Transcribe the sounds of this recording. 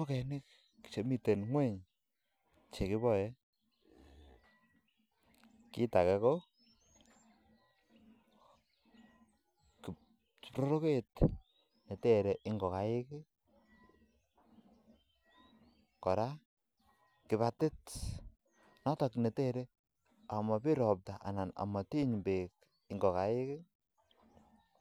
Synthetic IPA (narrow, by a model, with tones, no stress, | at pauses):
o˦kɛ˨nɪ˦kː | i̥˨t͡ʃe˨mi˦te˨nŋwe˦ɲ | t͡ʃe˨kɪ˦bɔ˦˨jɛ˦ | ki˦ta˨kɛ˨ko˦ | ki˨ | ɾo˦ɾo˦ke˦t | ne˨te˦ɾe˨ʔɪ˦ŋɡɔ˨ka˨jɪ˦kɪ˦ | kɔ˨ɾa˦ | kɪ˨βa˨tɪ˦t | nɔ˦tɔ˨kne˨te˦ɾe˦ | a˨mɔ˨pi˦ɾɔ˨p̚ta˨ʔa̰˨na˨na̰˨mɔ˨ti˦ɲmbe˨k | ɪ˨ŋɡɔ˨ka˨˦jɪ˦kɪ˦